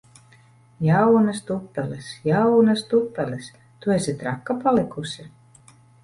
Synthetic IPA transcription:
jɑwnɑst̪upːelesjɑwnɑst̪upːeles | t̪uesʲit̪rɑkːɑpɑlekusʲi

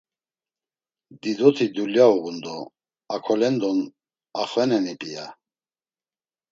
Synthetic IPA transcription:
d̪id̪ɔt̪ʰid̪uljauʁund̪ɔ | akʰɔlɛnd̪ɔn | aχvɛnɛnipʼija

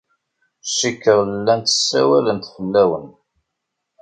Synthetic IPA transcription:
ʃikːəɾˤəlːænt̪ə̥sːæ̰wælənt̪fəlːæwən

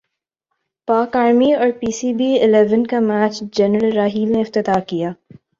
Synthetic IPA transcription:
paːkaːɾmiɔːɾpiːsiːbiːɪlɛʋənkamæːt͡ʃd͡ʒɛnɾəlɾaːɦiːlneɪft̪ɪt̪aːkijaː

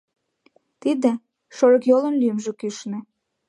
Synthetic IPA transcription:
t̪id̪ĕ | ʃoɾɤ̆kjolə̆nlyjəmʒə̆kyʃnĕ

